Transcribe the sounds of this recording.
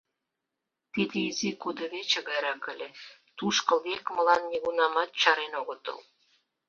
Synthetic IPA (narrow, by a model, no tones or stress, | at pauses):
t̪id̪eizikud̪ə̆βet͡ɕĕɣɑjɾɑkə̆lʲĕt̪uʃkə̆lekməlɑnːʲeɣunɑmɑt̪̚t͡ɕɑɾenoɣot̪ɤ̰l